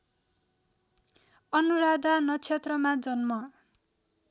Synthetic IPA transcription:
ʌnuɾad̪anʌt͡sʰet̪rʌmad͡zʌnmʌ

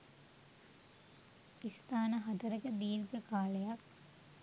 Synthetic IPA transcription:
ist̪aːnəɦat̪ɐɾəkəd̪iːlɡəkaːlejak̚

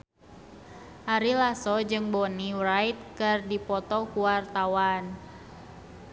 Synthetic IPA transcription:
ʔaɾilasɔd͡ʒɨŋbɔniwrajt̪̚kɨrdipɔt̪ɔkuwart̪awan

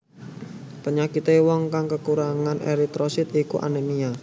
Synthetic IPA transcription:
pəɲakit̪ewɔŋkaŋkəkuɾaŋanʔḛɾit̪ɾɔsit̪ikuʔa̰nənia

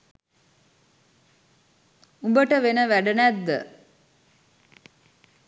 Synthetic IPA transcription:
umbəʈəʋenəʋæɖənæd̪ːə̰

